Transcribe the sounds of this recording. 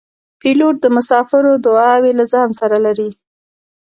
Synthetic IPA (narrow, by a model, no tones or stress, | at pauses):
piloʈ̚d̪əmʊsɑfɪɾod̪ʊɑwelazɑnsaɾalaɾi